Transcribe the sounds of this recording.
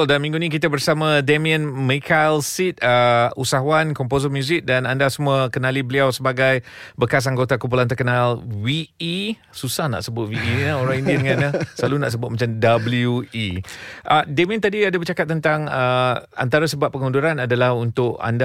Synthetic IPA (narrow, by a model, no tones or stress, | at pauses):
ldalamĩŋɡunĩk̬it̪abərsamãdamiə̃nmikʰalsit̪̚əusaɦaankɔmpozəmjuzɪk̚danandasəmuəkənalibəliawsəbaɡajbəkas̬aŋɡot̪akumpulant̪ərkənalwii | susahna̰ʔsəbʊt̪̚wiʔinaoɾaŋindidəŋãnasəlaluna̰ʔs̬əbʊt̪̚mat͡ʃamdabəluiʔədamĩə̃nt̪adiadabət͡ʃakat̪̚ːənt̪aŋəa̰nt̪aɾasəbap̚pːəŋuduɾanadalahunt̪ʊʔa̰nda